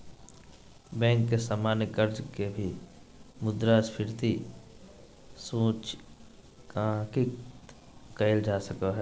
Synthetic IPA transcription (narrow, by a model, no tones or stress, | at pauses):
bɛ̃ːŋkːesaːmaːnjəkəɾd͡ʒkebʱi | mʊd̪ɾaspʰɪɾt̪i | sũːt͡ʃ | kaki | kəɪld͡ʒaːsəkaɦɛː